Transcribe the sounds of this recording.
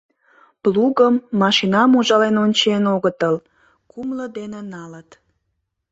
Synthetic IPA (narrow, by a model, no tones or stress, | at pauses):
pluɣəmːɑʃinɑmuʒɑlenonʲt͡ɕenoɣət̪əl | kumləd̪enenɑlət̪